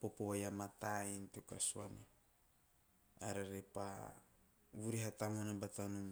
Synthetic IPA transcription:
popoβajamat̪aintoka̰suanḛ | aɾaɾepa̰ | βuɾiɦatamanabatanum

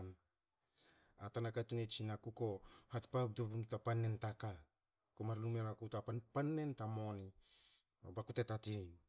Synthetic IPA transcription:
n | atanakatunet͡ʃinakuko̞hatpap̚dobumtapanːentaka | komaɾlumelakutapanpanːe̞ntamo̞ni | obakutetatin

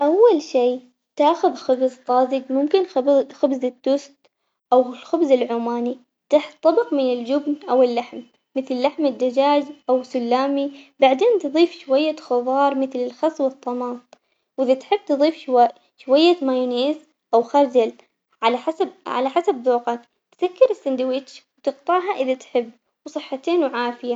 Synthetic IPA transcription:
ʔawːalʃiː | t̪aːxʊðxʊbzt̪ˤːɑːziɡmʊmkɪnbxʊbzɪt̪ːʊst̪ | ʔawlxʊbzɪlʕuːmaːni | t̪aħt̪ˤːɑbɪqmɪnɪld͡ʒʊbnʔawɪlːaħm | mːɪθlɪlːaħmɪd̪ːad͡ʒaːd͡ʒʔawsʊlːaːmibaʕd̪eːnt̪ɨðˤiːfʃwajːaxʊðˤɑːɾˤmɪθlɪlxɑsˤwɨt̪ˤːɑmɑːt̪ˤ | wʔɪðat̪ħɪb̚ːt̪ɨðˤiːfʃwa | ʃwajːamajʊneːz | ʔawxɑɾˤd͡ʒal | ʕalaħasabʕa̰laħasabðˤuːqɑk | t̪sakːɪɾɪsːɪnd̪awiːt͡ʃwt̪ɪqt̪ˤɑːʕɦaʔɪðat̪ħɪbː | wsˤɨħːat̪eːnwʕaːfɪja

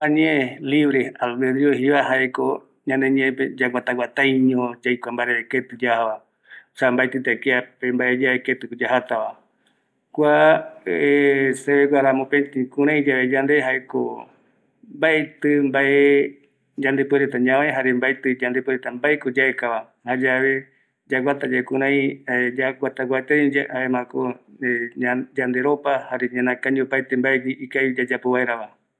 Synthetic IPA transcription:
aɲẽʔeliβɾealbed̪ɾioɦiβaɦaeko | ɲãnd̪eɲẽẽped͡ʒaɡʷat̪aɡʷat̪ãjɲõd͡ʒajkʷambaɾeeket̪ɨd͡ʒahaβa | sambaet̪ɨt̪aekeapembaʔed͡ʒaeket̪ɨkod͡ʒaɦat̪aβa | kʷa | eseβeɡʷaɾamõpẽt̪ikũɾ̃ãĩd͡ʒaʋed͡ʒand̪eɦaeko̰ | mbaet̪ɨmbaʔe | d͡ʒand̪epweɾet̪aɲãmeɦaɾembaet̪ɨd͡ʒand̪epweɾet̪ambaekod͡ʒaekaβa | had͡ʒaβe̞ | d͡ʒaɡʷat̪ad͡ʒaekũɾ̃ãj̃d͡ʒaɡʷat̪aɡʷat̪ejhaemãkoead͡ʒand̪eɾopahaɾeɲãnãkãɲd͡ʒiopajt̪embaeɡiʔːkajd͡ʒad͡ʒapoβaeɾaβa

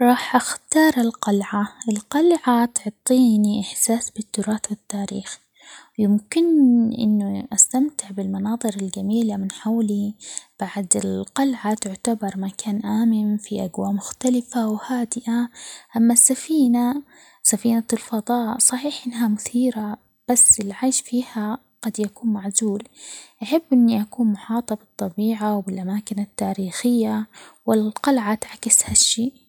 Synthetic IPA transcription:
ɾˤɑːħʔaxt̪ɑːɾˤɪlqɑlʕaʔɪlqɑlʕat̪ʊʕt̪ˤːiːniʔɪħsaːsbɪt̪ːʊɾˤɑːt̪wɪt̪ːaːɾiːx | jɪmkɪnʔɪ̰nːuʔast̪amt̪ɪʕbɪlmɑnɑːðˤɨɾɪld͡ʒamiːlamɪnħawlib̥aʕd̪ɪlqɑlʕat̪ʊʕt̪abɑɾˤmakʰaːnʔaːmɪnfiʔaɡwaːʔmʊxt̪alɪfawhaːd̪ɪʔaʔamːasːafiːna | safiːnalfɑd̪ˤɑːʔsˤɑħiːħʔɪnːɦamʊθiːɾa | b̥asːɪlʕaːʃfiːha | ɡ̥ɑd̪jakuːnmaʕzuːlʔaħabːʔɪnːiʔakuːnmʊħɑːt̪ˤɑbɨt̪ˤːɑbiːʕawbɪlʔamaːkɪnat̪ːaːɾiːxɪjːawɪlqɑlʕat̪ʕakɪshaʃːeːʔ

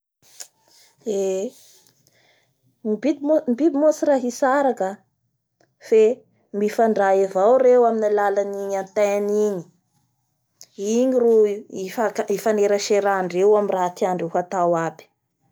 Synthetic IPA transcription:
e | ibimbib̪imosiraɦisaɾakə | fe | mifaɳɖ͡ʐaevawrewaminilalaniɲant̪aaniɲi̥ | iɲiruifakaifaneɾaʃeɾaːɳɖ͡ʐewaminrat̪iaɳɖ͡ʐewɦat̪awabi̥

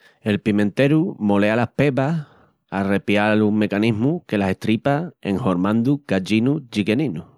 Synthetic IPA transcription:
e̞lpimẽ̞nt̪e̞ɾumo̞le̞alahpe̞βah | are̞pjalumme̞kaniɦmuke̞lase̞t̪ɾipaeŋho̞ɾmãnd̪ukat͡ʃinut͡ʃike̞ninu

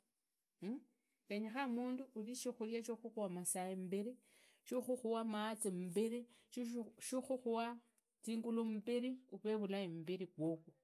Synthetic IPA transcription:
keɲexamuːnduːliʃixuljaʃoxuxwamasaembeɾe | ʃoxuxuwamaːt͡sembeɾe | ʃixuxuwa | t͡siːŋɡulom̩beɾiuβeβulaembeɾikwokwu

